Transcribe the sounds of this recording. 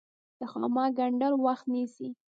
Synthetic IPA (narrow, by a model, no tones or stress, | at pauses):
d̪̥əxɑmɑɡaɳɖaɾwaxt̪nisi